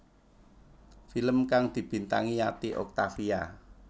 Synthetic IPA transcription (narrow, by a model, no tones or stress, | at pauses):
filəmkaŋd̪̥i̤b̥i̤nt̪aŋiat̪iʔɔ̰k̚t̪afia